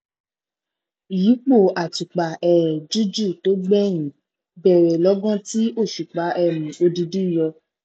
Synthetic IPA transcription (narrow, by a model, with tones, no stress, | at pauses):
ji˨˦k͡po˦˨a˨ti˨k͡pa˨ɛ˨ɾɛ˨d͡ʒu˦d͡ʒu˦˨to˦ɡ͡bɛ˦j̃ĩ˨˦ | bɛ˦˨ɾɛ˨lɔ˨˦ɡɔ̃˦ti˦ʔo˦˨ʃu˨k͡pa˨˦ʔɛ˦˨mĩ˨o˧di˧di˦˨jɔ˧